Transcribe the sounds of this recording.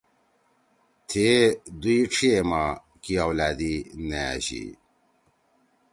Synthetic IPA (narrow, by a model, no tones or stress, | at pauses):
t̪ʰed̪uiʈ͡ʂʰiema | kiawlaːd̪inea̰ɕḭ